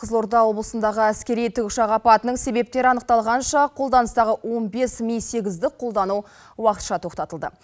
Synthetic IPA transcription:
qʰəzlo̞ɾt̪ɑwo̞blˠəsənd̪ɑʁəæskʲe̞ɾijt̪ʰʏʃɑʁɑpɑt̪ənəɴse̞be̞p̚t̪e̞ɾɪɑnəq̚t̪ɑlˠʁɑnʃɑqʰo̞lˠd̪ɑnəst̪ɑʁəwo̞nbe̞smijse̞ɡʲɪzd̪ɪkqʰo̞lˠd̪ɑnu | wɑqət̪ʃɑt̪ʰo̞qt̪ɑt̪əlˠd̪ə̰

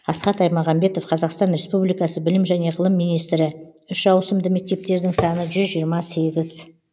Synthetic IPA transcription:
ɑsqɑt̪ɑjmɑʁɑmbe̞t̪o̞fqʰɑzɑqst̪ɑnɾe̞spublijkɑsəbɪlɪmʒæne̞ʁəlˠəmːijnijst̪ɾɪʏʃʒɑwsəmd̪əme̞k̚t̪e̞p̚t̪e̞ɾd̪ɪŋsɑnəʒʏzʒijəɾmɑse̞ɡʲɪz

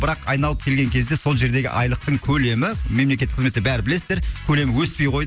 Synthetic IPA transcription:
bɪɾɑqɑjnɑlˠəp̚kʲʰe̞lɡʲe̞ŋkʲʰe̞zd̪e̞so̞lˠʒe̞ɾd̪eɡʲɪ̰ʔɑ̰jlˠəq̚t̪əɴkʲʰɵle̞mɪme̞mlekʲet̪ːɪqʰzmet̪ːɪbæɾɪbɪle̞sɪzd̪eɾkʲʰɵle̞mɪwɵspe̞jqʰo̞jd̪ə

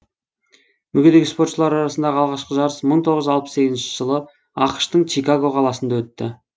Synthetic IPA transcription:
mʏɡʲe̞d̪e̞ɡʲɪspo̞rt̪ʃəlˠɑɾɑɾɑsənd̪ɑʁəɑlˠʁɑʃqəʒɑɾəsməɴt̪ʰo̞ʁəzɑlˠpə̥se̞kʲɪznʃɪʒ̥əlˠə | ɑqə̥ʃt̪əɴt͡ʃijkaɡo̞qʰɑlˠɑsənd̪ɑwɵt̪ːɪ̰

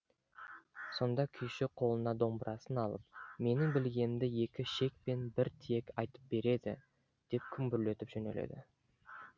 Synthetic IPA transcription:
so̞nd̪ɑkʲʰʏjʃɪqʰo̞lˠənɑd̪o̞mbəɾʔɑsənɑlˠəp̚me̞nɪŋbɪlɡʲe̞nɪmd̪ɪje̞kʲɪʃe̞k̚pe̞nbɪɾt̪ʰije̞kʲɑjt̪əp̚be̞ɾe̞d̪ɪ̰ | d̪̥e̞p̚kʲʰʏmbʏɾle̞t̪ɪpʒ̥ɵne̞̰lḛd̪ɪ̰

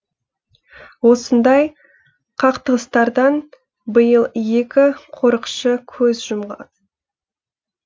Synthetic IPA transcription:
wo̞sənd̪ɑj | qʰɑqt̪əʁəst̪ɑɾd̪ɑn | bəjəlˠje̞kʲɪqʰo̞ɾəqʃəkʲʰɵzʒʊmʁɑ̰d̪

